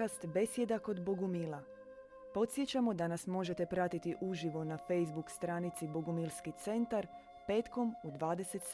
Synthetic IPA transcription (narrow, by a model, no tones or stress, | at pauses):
ast̪be̞sje̞d̪ako̞d̪boɡumila | po̞t̪sje̞t͡ɕamo̞d̪anasmo̞ʒe̞t̪e̞pɾat̪it̪iʔuʒiʋo̞nafe̞jzbukst̪ɾaːnit̪siboɡumilˠskit̪se̞nt̪aɾ | pe̞ːt̪ko̞mud̪ʋaːd̪e̞se̞t̪